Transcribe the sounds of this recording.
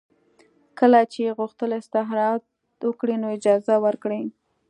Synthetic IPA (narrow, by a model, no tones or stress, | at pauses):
kəlat͡ʃeɣuxt̪əlast̪aɦɾɑt̪ | wəkɽinoɪd͡ʒɑzawəɾkɽi